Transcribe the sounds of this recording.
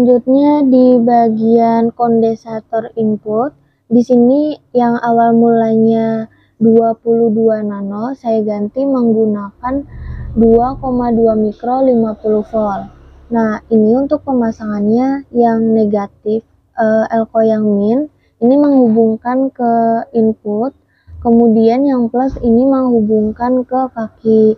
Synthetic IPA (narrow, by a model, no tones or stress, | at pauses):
laɲd͡ʒut̪̚ɲadibaɡiankɔndesat̪ɔrimpurt̪̚ | disinijaŋawalmulaɲa | duapuluhduananɔsajaɡant̪iməŋɡunakanduakomaduamikɾolimapuluhfɔlnahiniunt̪ʊk̚pəmasaŋanɲajaŋneɡat̪ɪf | ʔəɛlkojaŋmɪn | iniməŋhubuŋkankəimput̪̚ | kəmudianjaŋplasiniməŋɦubuŋkankəkaki